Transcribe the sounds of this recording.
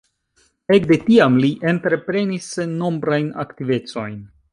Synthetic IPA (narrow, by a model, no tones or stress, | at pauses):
e̞k̚de̞tiamliʔe̞ntɾe̞pɾe̞nisno̞mbɾajna̰ktive̞t͡so̞jn